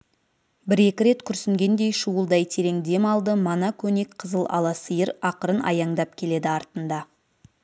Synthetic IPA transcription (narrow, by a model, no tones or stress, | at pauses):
bɪɾe̞kʲɪɾe̞t̪kʲʰʏɾsɪŋɡʲe̞nd̪e̞jʃuəlˠd̪ɑjt̪ʰe̞ɾe̞ŋd̪e̞mɑlˠd̪əmɑnɑkʲʰɵne̞kqʰəzəlˠɑ̰lˠɑsəjəɾɑqəɾənʔɑ̰jɑɴd̪ɑpkʲʰe̞le̞d̪ɪɑɾt̪ənd̪ɑ